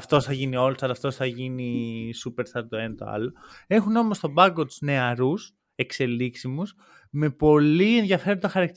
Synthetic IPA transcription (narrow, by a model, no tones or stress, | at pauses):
ɐft̪o̞sθɐʝinio̞losɐlɐft̪o̞sθɐʝinisupe̞ɾst̪ɐɾt̪oenɐt̪o̰ɐ̰lo̞e̞xuno̞most̪o̞bɐŋɡo̞t̪u̥zne̞ɐɾus | e̞kse̞liksimus | me̞po̞lienðʝɐfe̞ɾond̪ɐxɐɾɐk̚t̪